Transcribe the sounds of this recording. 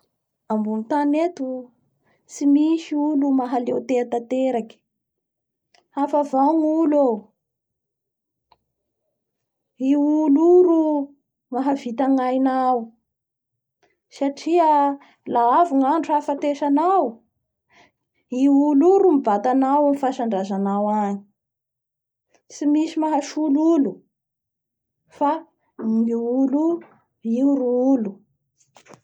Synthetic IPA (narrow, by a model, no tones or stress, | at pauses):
ambunit̪anet̪u | simiʃiulumaɦalewt̪eat̪at̪eɾaki̥ | afavaŋulo | iuluɾu | maɦavit̪aŋajnaw | saʈ͡ʂiə | laavuŋaɳʈ͡ʂuafat̪eʃanaw | iuluɾumibat̪anawamifaʃaɳɖ͡ʐazanawaɲi̥ | simisimaɦaʃululu | fa | ŋiulu | iuɾuulu